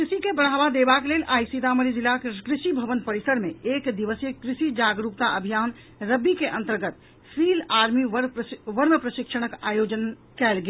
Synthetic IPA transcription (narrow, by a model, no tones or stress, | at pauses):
kɾisikebəɽ̤aːbad̪ebakelelʔaːjsid̪aməɾid͡ʒilakkɾɪʃibʱəʋənpəɾisəɾmeekd̪iʋəsjəkɾiʃid͡ʒaɡɾupt̪aəbʱijaːn | ɾəbikeʔə̃nt̪əɾɡət̪̚ | sʰilaːɾmiʋəʋəɾməpɾəʃikʃəɽ̃əkaːjod͡ʒən | kɛlɡe